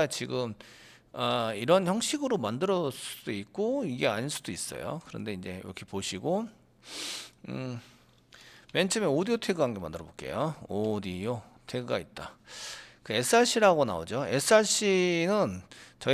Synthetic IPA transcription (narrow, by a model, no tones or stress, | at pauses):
at͡ɕiɡɯm | aiɾʌnçjʌŋɕ͈ʰiɡɯɾomandɯɾʌs͈u̥d̥oik̚k͈oiɡe̞aɲiɭs͈ud̥ois͈ʌ̰jo̰kɯɾʌnde̞ind͡ʑe̞ḭɾʌkʰe̞poɕʰiɡo | me̞nt͡ɕʰemeodijotʰe̞ɡɯɦanɡe̞ma̰ndɯɾʌbok͈e̞̰joodio | tʰe̞ɡɯɡa̰it̚t͈a̰ | kɯe̞s͈ʰɯaɕʰiɾaɡona̰o̰d͡ʑoe̞s͈ʰɯaɕʰinɯnt͡ɕʌ